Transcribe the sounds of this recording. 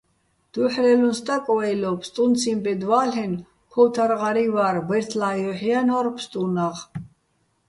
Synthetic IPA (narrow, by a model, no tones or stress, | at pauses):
d̪̥uħɾɛlunst̪ʼakʼwɛjlɔpʰst̪ʼunt͡sʰimbɛd̪walɛn | kʰɔwt̪ʰaɾʁaɾivaɾbɛɾt̪ʰlajɔħianɔɾpʰst̪ʼunaʁ